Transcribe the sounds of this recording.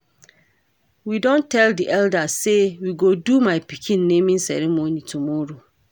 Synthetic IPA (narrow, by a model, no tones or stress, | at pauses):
widɔ̃ntʰɛldiʔɛldasewiɡodumaɪpikʰĩnːẽmĩnsɛ̰ɹimonitʰumɔɹo